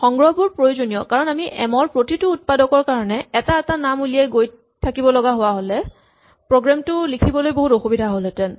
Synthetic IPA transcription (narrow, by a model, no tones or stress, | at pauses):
xɔŋɡɹɔbuɹpɹojozonijɔkaɹɔnamiʔɛmɔɹpɹotitʊːt̚padɔkɔɹkaɹɔnɛɛtaɛtanamulijajɡoj | tʰːakibɔlɔɡaɦʊwaɦolɛ | pɹoɡɹamtʊlikʰibɔlojboɦutoxubidʱaɦolɛtɛn